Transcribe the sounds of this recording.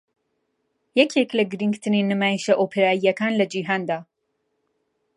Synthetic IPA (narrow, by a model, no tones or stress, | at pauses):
jɛkʰeklɐɡɨɾiŋɡt̪ʰɨninɨmaːjiʃɐʔoːpʰeɾaːijɐkʰaːnlɐd͡ʒiːɦaːnd̪aː